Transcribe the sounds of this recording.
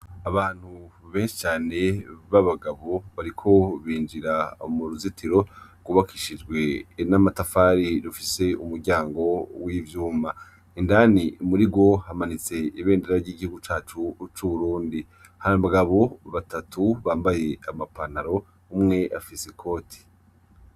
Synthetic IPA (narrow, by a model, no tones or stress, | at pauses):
aβaːn̥huβe̞ːnʃi̥t͡ʃaːne̞βaβaɡaβo̞βaɾikʰo̞βiːnd͡ʒiɾamuɾuzitʰiɾo̞ɡ̥uβakʰiʃid͡ʒɡwe̞namatafaɾidufise̞umuɾɟaːŋɡo̞wiːvjuːma | indanimuɾiɡo̞hamanit͡se̞iβe̞ːndeɾaɾɟiːɟihuɡut͡ʃaːt͡ʃut͡ʃuβuɾuːndi | haaβaɡaβo̞βatatʰuβaːmbaje̞amapanaɾo̞ | umŋe̞ʔa̰fisekʰo̞ːtʰi̥